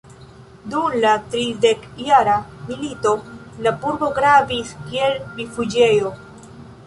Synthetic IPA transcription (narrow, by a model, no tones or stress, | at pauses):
d̪unlat̪ɾizd̪ekjaɾamilit̪olapuɾboɡɾabiskjelbifud͡ʒejo